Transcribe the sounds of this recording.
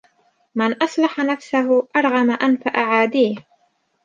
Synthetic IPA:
mɪnʔɑsˤlɑħanafsaɦʊʔɑɾˤɣɑmaʔanfaʔaʕaːd̪iːh

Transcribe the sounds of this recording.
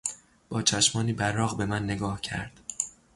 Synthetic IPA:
b̥ɒːt͡ʃʰæʃmɒːniːbæɾːɒːɣbe̞mænːe̞ɡɒːhcʰæ̰ɾd̪̥

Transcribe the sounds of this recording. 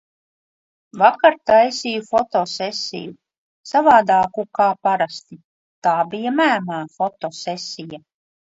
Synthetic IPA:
vakaɾt̪ajsijufɔt̪oːsesʲḭju | savaːd̪aːkukaːpaɾast̪i | t̪aːbijamæːmaːfɔt̪ɔːsɛsʲija

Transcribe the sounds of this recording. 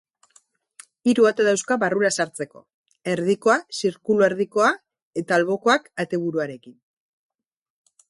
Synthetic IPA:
iɾuat̪aðawskaβaruɾasaɾt͡se̞ko̞̰ | e̞ɾðiko̞asiɾkulueɾðiko̞a | e̞t̪aːlβo̞ko̞akat̪e̞β̞uɾuaɾe̞kin

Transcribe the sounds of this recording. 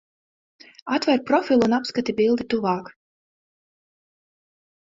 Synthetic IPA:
at̪vɛɾpɾɔfʲilˠunapskat̪ʲibilˠd̪it̪uvɑːk

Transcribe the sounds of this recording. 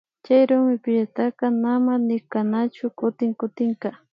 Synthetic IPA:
t͡ʃajɾʊmɪpɪʎat̪akanamanɪkanat͡ʃʊkʊt̪ɪŋkʊt̪ɪŋka

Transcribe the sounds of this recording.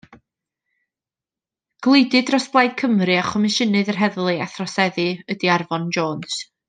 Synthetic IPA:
ɡ̥lˠejdɨdrɔsb̥lˠajd̥̚kʰəmrɨaχɔmɪʃənɨðərɦɛðlˠɨaθrɔsɛðɨədiarvɔnd͡ʒoːns

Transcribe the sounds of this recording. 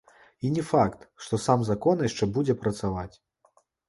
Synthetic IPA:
inʲɛfakt̪ʂt̪ɔsamzakɔnjaʂt͡ʂɛbud͡zʲɛpɾɐt̪savat͡sʲ

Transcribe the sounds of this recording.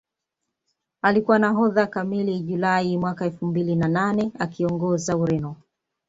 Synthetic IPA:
alikuwanaɦɔðakamiliʄulaimwakaɛlfumbilinananɛakiɔŋɡɔzauɾɛnɔ

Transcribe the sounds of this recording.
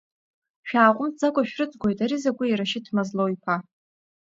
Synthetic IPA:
ʃᶣaːqʷʼʊmd͡zakʷʼaʃᶣrɨt͡sʼɡʷojtʼaɾizaɡʷʼʊiɾaʃɪtʰmazlowjpʰa

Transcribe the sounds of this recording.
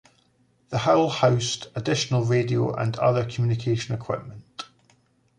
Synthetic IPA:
ðəhaʊlˠhaʊstədɪʃənəlˠɹedio̰ʔə̰̃nʌ̰ðə˞kʰəmjʉnɪkʰeʃə̃nəkʰw̥ɪ̰ʔmə̃nʔ

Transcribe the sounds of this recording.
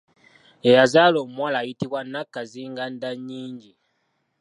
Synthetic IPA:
ejazalomwalaːjitiβwanakːaziːŋɡandaɲːiːɲɟi

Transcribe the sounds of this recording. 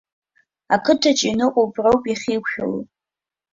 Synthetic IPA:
akʰɨtʰat͡ʃʼinɨqʷʼopʼrowpʼiχʲiːkʷʰʃʲᶣa̰l̰

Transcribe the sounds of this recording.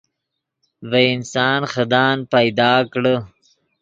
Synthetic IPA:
veɪnsɑːnxəd̪ɑːnpajd̪ɑːkɽə

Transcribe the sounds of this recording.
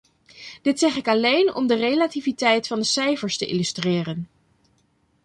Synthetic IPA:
d̥ɪtsɛχɪkɑlejnɔ̰mdərejlativitɛjtfɑndəsɛjfəɹstəʔɪ̰lystrɪːrən

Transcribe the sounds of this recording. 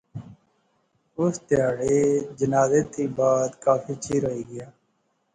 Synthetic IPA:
ʊst̪ɪjaːɽeːd͡ʒənaːzeːt̪iːbaːd̪kaːfiːt͡ʃʰiːɾəɦiːɡɪjaː

